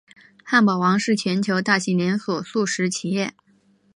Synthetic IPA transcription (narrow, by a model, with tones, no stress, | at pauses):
xa˥˩npɑ˨˩ʊwɑ˧˥ŋʂɻ̩˥˩t͡ɕʰɥɛ˧˥nt͡ɕʰjo˧˥ʊt̪a˥˩ɕi˧˥ljɛ˧˥nswɔ˨˩su˥˩ʂɻ̩˧˥t͡ɕʰi˨˩jɛ˥˩